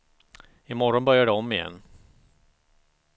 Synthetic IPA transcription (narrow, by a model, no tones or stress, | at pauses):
ɪmɔɾɔnbœɾjaɖɛɔmːɪjɛ̰nː